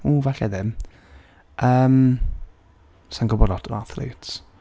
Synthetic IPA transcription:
uːvaɬɛðɪm | ʔəːm | sanɡɔbɔɾɔtʰɔnaθlḛt

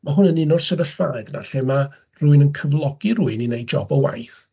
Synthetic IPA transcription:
maɦʊnənɪnʊrsəvəɬvaɾɛdna̰ɬɛma | ruɨnənkʰəvlˠɔɡirʊɨninejd͡ʒɔ̰bəwa̰jθ

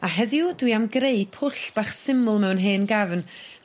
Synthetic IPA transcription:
aɦɛðjʊdwiamɡɾejpʰʊɬb̥aχsɪmʊlˠmɛwnɦeːnɡavn

